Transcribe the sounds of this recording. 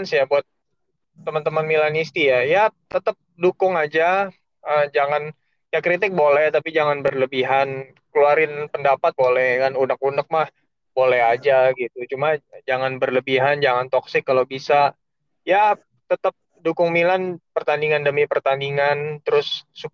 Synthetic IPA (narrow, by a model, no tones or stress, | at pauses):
nsjabuat̪̚ː | əmənt̪əmənmilanist̪ijajat̪ət̪əp̚dukʊŋad͡ʒa | əmd͡ʒaŋan | jakɾit̪ɪk̚bolɛht̪apid͡ʒaŋanbərləbiɦan | kəluaɾɪnpəndapat̪̚bolɛhkanunək̚unək̚mah | bolɛhad͡ʒaɡit̪ut͡ʃumad͡ʒaŋanbərləbiɦand͡ʒaŋant̪ɔksɪkːalobisa | ja | t̪ət̪əp̚ | dukʊŋmilanpərt̪andiŋandəmipərt̪andiŋant̪əɾʊsːu